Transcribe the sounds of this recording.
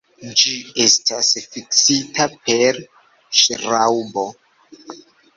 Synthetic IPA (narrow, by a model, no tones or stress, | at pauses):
d͡ʒie̞stasfiksitapeɾ | ʃɾawbo̞